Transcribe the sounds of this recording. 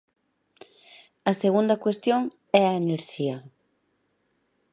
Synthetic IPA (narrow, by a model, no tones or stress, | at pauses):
ɐseɣund̪ɐkwest̪joŋ | ɛɐeneɾʃiɐ